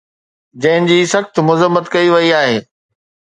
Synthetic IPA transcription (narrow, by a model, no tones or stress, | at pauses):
d͡ʑɐ̃ɦɪ̃nd͡ʑiːsɐxt̪mʊzəmːət̪kɐiʋɐiaːɦeː